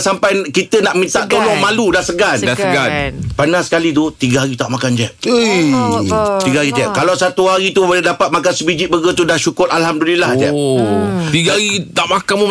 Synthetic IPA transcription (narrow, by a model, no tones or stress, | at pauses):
sampajkit̪ənaʔmĩnt̪aʔt̪olɔŋmãludahsəɡandasəɡanpanãsə̥kalit̪ut̪iɡəɦaɾit̪aʔmakand͡ʒɛʔə | t̪iɡaɦaɾit̪ia̰ʔkalawsat̪uɦaɾit̪ubolɛdapat̪̚makansəbid͡ʒiʔ̚bəɡət̪udahʃukʊrʔalɦamdulilaht̪ia̰ | t̪iɡaɦaɾit̪aʔmakanmə